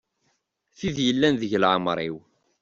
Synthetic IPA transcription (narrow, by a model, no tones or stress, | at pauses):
θiðjəlːænðəʝlʕəmɾˤiw